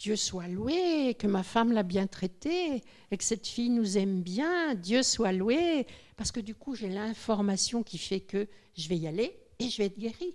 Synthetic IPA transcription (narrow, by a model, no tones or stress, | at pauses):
d̪̥jøswalwekəmafamlabjɛ̃t̪χɛt̪e | ekə̥sɛt̪fijnuzɛmbjɛ̃d̪jøswalwepaʁsə̥kəd̪ykuʒelɛ̃fɔʁmasjɔ̃kʲifɛkə | ʒəvɛialeː | ʒəvɛɛt̪̚ɡʲeʁi